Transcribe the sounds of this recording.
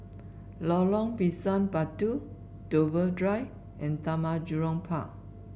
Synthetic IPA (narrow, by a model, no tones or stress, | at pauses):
lɔlɔ̃ŋpisãnpatu | dovədɹaj | ʔɛ̃nt̪amad͡ʒuɹɔ̃ŋpʰaʔ